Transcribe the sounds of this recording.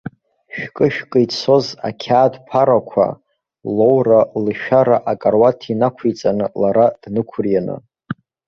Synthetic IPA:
ʃᶣkʼɨʃᶣkʼɨjt͡sʰo̞za̰kʲʰaːdpʰaɾakʷʰa̰ | lo̞wralɨʃᶣaɾaʔakʼarwatʰinakʷʰejt͡sʼanɨlaɾad̥nɨkʷʰʊrjanɨ̰

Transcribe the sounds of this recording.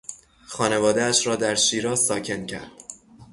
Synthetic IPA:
xɒːne̞vɒːd̪eæʃɾɒːd̪æɾʃiːɾɒːzsɒːcʰe̞ncʰæ̰ɾd̪̥

